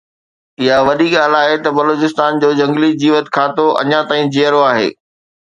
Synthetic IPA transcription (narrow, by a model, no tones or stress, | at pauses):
ɪɦaʋɐɗ̪iɠaːl̤aːɦet̪ɐbɐloːt͡ɕɪst̪aːnd͡ʑoːd͡ʑɐ̃ŋɡlid͡ʑiːʋət̪kʰaːt̪oʔɐ̰ɲãt̪aːĩd͡ʑejəɾoaːɦḛː